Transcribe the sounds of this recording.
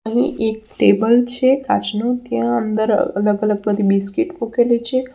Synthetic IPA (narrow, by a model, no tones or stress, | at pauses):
əɦĩʔek̚ʈebəlt͡ʃʰekat͡ʃnot̪jãənd̪əɾ̰ə̰ləɡələɡ̚bəd̪ʱibiskiʈpõkelet͡ʃʰe